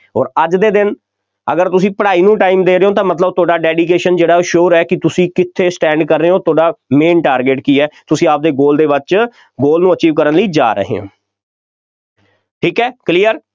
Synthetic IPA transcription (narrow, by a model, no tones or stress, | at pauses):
ɔːɾəd͡ʒd̪eːd̪ɪn | əɡəɾt̪ʊs̬ĩːpəɽaːiːnũːʈaːiːmd̪eːɾeːõːt̪̬ãːmət̪ləb̚t̪ʰʊoaːɖaːɖɛːɖiːk̬eːʃənd͡ʒeːɽaːoːʃoːɾɛːkɪt̪ʊsĩːkɪt̪ʰːeːsʈɛ̃ːɳɖkəɾːeːõːt̪ʰoːɖaːmeːnʈaːɾɡeːʈkiːɛːt̪ʊsĩːaːp̚d̪eːɡoːld̪eːʋɪt͡ʃ | ɡoːlnũːət͡ʃiːʋkəɾənləiːd͡ʒa̰ːɾə̰ɦḛːɦõ̰ː | ʈʰiːkɦɛːkliːəɾ